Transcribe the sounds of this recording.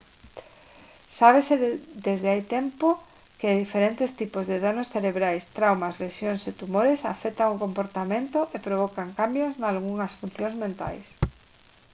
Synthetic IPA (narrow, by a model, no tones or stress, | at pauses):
saβesed̪ezðeajt̪ɛmpo | kɪðifeɾent̪est̪ipozðeðanosθeɾeβɾajst̪ɾawmɐsleʃjoŋset̪umoɾesa̰fɛt̪aŋokompoɾt̪amẽnt̪ʊʔepɾoβɔkaŋkambjoznalɣuŋɐsfun̟θjõŋzmẽnt̪a̰js